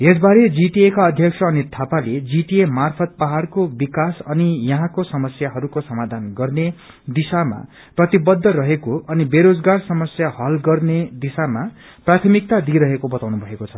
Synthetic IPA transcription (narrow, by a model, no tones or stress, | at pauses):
esbaɾed͡ziʈiekaʌd̪ʱjʌksʰʌːnit̪ʰapaled͡ziʈiemarpʰʌt̪̚paɦarkobikasʌnijʌɦãkosʌmʌsjaɦʌɾukosʌmad̪ʱanɡʌrne | d̪isama̰ | prʌt̪ibʌd̪ʱːʌrʌɦekoʔʌnibeɾod͡zɡarsʌmʌsjahʌlɡʌrned̪isama | prat̪ʰʌmik̚t̪ad̪iɾʌɦekobʌt̪awnubʱʌekot͡sʰʌ̥